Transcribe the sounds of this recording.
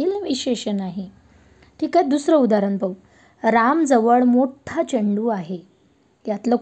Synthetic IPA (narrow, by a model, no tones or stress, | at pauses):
iːlʋiɕeɕənaɦi | ʈʰiːkaed̪usɾəud̪aɾənbəw | ɾamd͡zəʋəɭmoʈʰat͡ɕəɳɖuːaɦe | jat̪lə